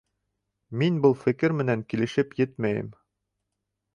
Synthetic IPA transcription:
minbɤlˠfɘ̆kɘɾmɘ̆næŋkilɘ̆ʃɘpjɘt̪̚mæjɘ̰m

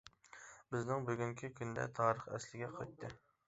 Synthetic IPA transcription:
bɪznɪŋbyɡʲyŋkʲʰikʲynd̪ɛ̰t̪ʰɑːɾəχɛ̰slɪɡʲɛqʰɑjt̪ʰːɨ

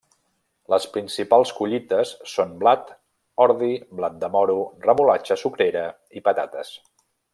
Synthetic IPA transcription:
ləspɾinsipalˠskuʎit̪əsːonblat̪ | ɔɾðiblat̪̚d̪əmɔɾurəmulat͡ʃəsukɾeɾə | ipət̪at̪əs

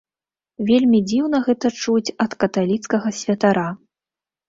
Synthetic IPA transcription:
vʲelʲmʲid͡zʲiwnɐɣɛt̪ɐt͡ʂut͡sʲɐt̪kɐt̪alʲit̪skɐɣɐsʲvʲɐt̪aɾa

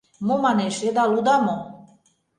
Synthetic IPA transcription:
momɑneʃed̪ɑlud̪ɑmo

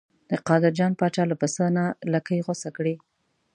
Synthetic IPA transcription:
d̪̥əqɑd̪ɪɾd͡ʒɑnpɑt͡ʃɑlapəsənalakəjɣosakɽi

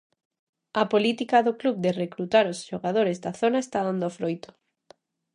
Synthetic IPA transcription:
ɐpolit̪ikaðoklubd̪erekɾut̪aɾosʃoɣað̞oɾezðaθonaest̪aðand̪ofɾojt̪ʊ̥

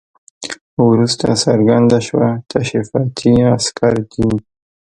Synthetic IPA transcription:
wɾust̪a̰saɾɡand̪aʃwat̪ʰaʃifɑt̪ʰiaskʰaɾd͡ʒi

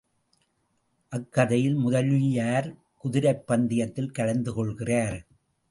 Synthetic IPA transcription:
ʔɐkːɐðɐjɪlmʊðɐlijaːɾ | kʊðɪɾɐɪpːɐnd̪ɪjɐt̪ːɪlkɐɽɐnd̪ɯkɔɭɣɪraːɾ

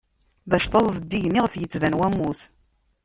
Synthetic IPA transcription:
ðæʃt̪ˤɑðˤzˤəd̪ːiʝniʁfjət͡sːvænwæmːuθ

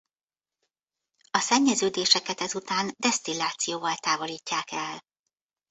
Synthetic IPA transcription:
ɒsɛɲːɛzøːd̪eːʃɛkɛt̪ɛzut̪aːnd̪ɛst̪ilaːt̪sijoːvɒlt̪aːvo̞liːcːaːkɛl

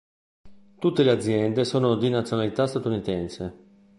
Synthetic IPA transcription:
t̪ut̪ːelead̪zːjɛnd̪esoːnod̪inat̪sjonalit̪ast̪at̪unit̪ɛnse

